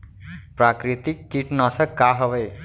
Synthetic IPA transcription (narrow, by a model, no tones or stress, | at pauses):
prakrit̪ikːiʈnʌsʌkːaɦʌbʌj